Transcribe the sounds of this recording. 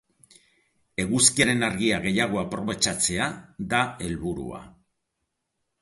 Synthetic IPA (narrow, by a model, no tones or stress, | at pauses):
e̞ɣuskiaɾe̞naɾɣiaɣe̞jaɣ̞o̞apɾo̞βe̞t͡ʃat͡se̞ad̪ae̞lβuɾṵa̰